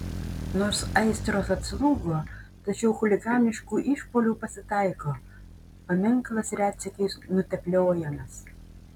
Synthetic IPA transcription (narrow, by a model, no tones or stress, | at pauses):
noːɾsɐɪsʲt̪ɾoːsɐt̪slˠuːɡoːt̪ɐt͡ʃʲɛʊxʊlʲɪɡɑːnʲɪʃkuːʔiːʃpoːlʲuːpɐsʲɪt̪ɐɪkoː | pɐmʲɪŋˑklˠɐsɾʲæːt̪sʲɪkʲɛɪsnʊt̪ʲɛpʲlʲoːjɛmɐs